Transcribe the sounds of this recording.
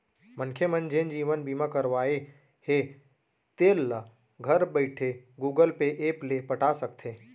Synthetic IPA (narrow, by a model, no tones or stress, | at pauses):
mənkʰemənd͡ʒẽːnd͡ʒiːʋənbiːmakəɾʋaːe | he | t̪eːlːa | ɡʱəɾbəɪʈʰeɡuːɡəlpeʔeːplepəʈasək̚t̪ʰeː